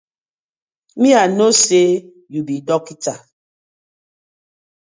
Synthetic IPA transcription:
mĩanose | jubidɔkita

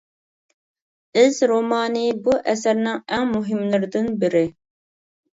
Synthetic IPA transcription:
ɪzɾomɑːnibuʔɛs̬ɛɾnɪŋɛŋmuɦimlˠɨɾd̪ɨnbiɾɪ

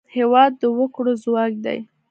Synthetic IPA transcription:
hewɑd̪ːəwəkɽozwɑk̚d̪a̰j

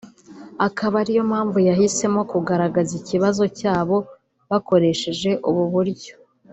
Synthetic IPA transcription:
akaβaɾijo̞mhaːɱvujahise̞mo̞kuɡaɾaɡaziciβazo̞caːβo̞ | βako̞ɾe̞ʃe̞ʒe̞ʔuβuβuɾɟo̥

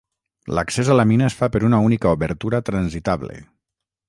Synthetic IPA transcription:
ləksezalaminaesfapəɾunaunikauβəɾt̪uɾat̪ɾanzit̪aβlḛ

